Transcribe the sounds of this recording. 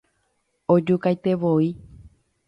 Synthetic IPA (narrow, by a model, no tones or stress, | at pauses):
od͡ʒukajt̪eʋoi